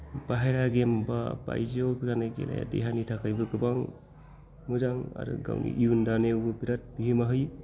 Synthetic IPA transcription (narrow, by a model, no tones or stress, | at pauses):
b̥aɦajɾaɡembaba̰jziowbiɾanaɡḛla̰ja̰dḛɦanitʰakʰajbɯɡɯbaŋ | muzaŋa̰ɾɯ̰ɡa̰wnḭʔiundanewɡɯbiɾat̚bihimaɦɯj